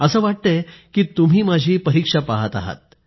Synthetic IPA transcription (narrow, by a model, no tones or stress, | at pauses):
əsəːʋaʈ̚t̪əkiːt̪um̤iːmad͡ʑʱiːpəɾikʂapaɦat̪a̰ɦa̰t̪̚